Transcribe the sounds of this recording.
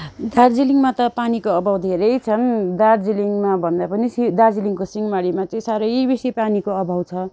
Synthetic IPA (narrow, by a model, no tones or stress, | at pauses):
d̪ard͡ziliŋmat̪ʌpanikoʌbʱawd̪ʱeɾʌjt͡sʰʌnd̪ard͡ziliŋmabʱʌnd̪apʌnisid̪ard͡ziliŋkosiŋmaɽimat͡sʌĩsaɾʌjbisipanikoʌbʱawt͡sʰʌ